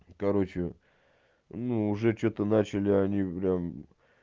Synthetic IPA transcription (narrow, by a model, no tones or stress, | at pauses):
kɐɾo̞t͡ɕɪ | nuʊʐɛt͡ɕot̪ənat͡ɕɪlʲɪɐnʲipɾʲam